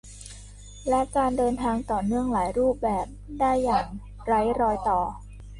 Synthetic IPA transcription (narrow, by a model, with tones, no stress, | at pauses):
lɛ˦˥kaː˧ndɤː˧nt̪ʰaː˧ŋt̪ɔː˨˩nɯ˥˩əŋlaː˩˦jɾuː˥˩p̚bɛː˨˩p̚daː˥˩jːaː˨˩ŋ | ɾa˦˥jɾɔː˧jt̪ɔː˨˩